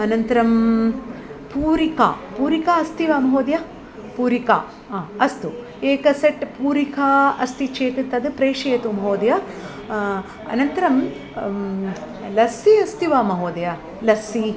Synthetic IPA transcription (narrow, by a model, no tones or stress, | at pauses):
ɐnɐnt̪ɐɾɐm | puːɾika̰ːpuːɾikaːɐst̪iʋaːmɐɦoːd̪jɐa | puːɾika̰ː | ɐst̪u | eːkɐseʈpuːɾikʰaːɐst̪it͡ʃeːt̪it̪ɐd̪ɨpɾeːʂijɐt̪umɐɦoːd̪jɐ | ɐ̰nɐnt̪ɐɾɐm | lɐsiɐst̪iʋaːmɐɦoːd̪ɐjɐ | lɐsi